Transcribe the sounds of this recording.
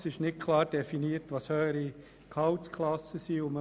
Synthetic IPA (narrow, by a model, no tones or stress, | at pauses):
sɪʃnɪtkʰlɑːɾd̥ɛfiniːəɾtʋɑshœːəɾi | kʰɑwt͡skʰlɑsəsiːʊmə